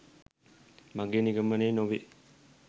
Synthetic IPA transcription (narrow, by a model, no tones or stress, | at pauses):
mɐɡeniɡɐmɐnenoʋi